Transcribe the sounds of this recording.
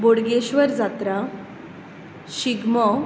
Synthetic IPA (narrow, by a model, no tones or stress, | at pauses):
boɽɡeɕʋəɾd͡zat̪ɾa | ɕiɡmɔ